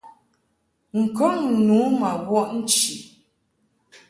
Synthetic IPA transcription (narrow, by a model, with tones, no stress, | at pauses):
ŋ̩˨kɔ˦ŋ̩˨nu˨˦ma˨ɣwɔ˦ʔn̩˦t͡ʃi˨